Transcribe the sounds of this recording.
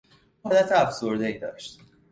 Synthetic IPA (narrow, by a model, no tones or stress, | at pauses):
hɒːd̪æt̪ʰeæfso̞ɾd̪e̞iːd̪ɒ̰ːʃt̪